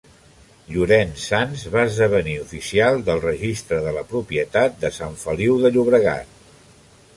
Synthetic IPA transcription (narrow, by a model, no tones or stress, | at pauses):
ʎuɾɛnsanzβaəzðəβ̞əniufisialˠd̪əlˠrəʒist̪ɾəðələpɾupiət̪at̪̚d̪əsaɱfəliwðəʎuβɾəɣa̰t̪̚